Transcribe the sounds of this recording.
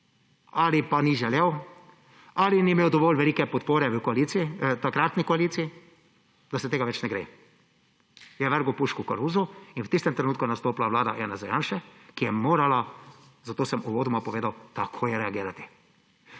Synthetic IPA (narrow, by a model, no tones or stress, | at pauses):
alipaniʒɛlɛw | alinimeːwd̪ɔʋoːlʋɛliːkɛpɔt̪poːɾɛʋəkɔaliːt̪siit̪akɾat̪nikɔaliːt̪sii | d̪asɛt̪eːɡaʋɛt͡ʃnɛɡɾḛ | jɛʋəɾɡupuʃkuka̰ɾuːzuinwt̪ist̪ɛmt̪ɾɛnuːt̪kunast̪oːplaʋlaːd̪a̰jʔaːnazɛjaːnʃɛkijɛmoːɾala | zat̪oːsɛmuʋoːd̪umapɔʋeːd̪awt̪akʰoːjɛɾɛaɡiːɾat̪i̥